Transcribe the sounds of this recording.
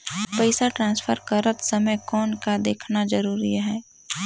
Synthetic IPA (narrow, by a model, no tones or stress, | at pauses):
pəɪsaʈɾãːnspʰəɾkəɾət̪səməjkɔːnkad̪eːkʰnad͡ʒəɾuːɾiɦɛː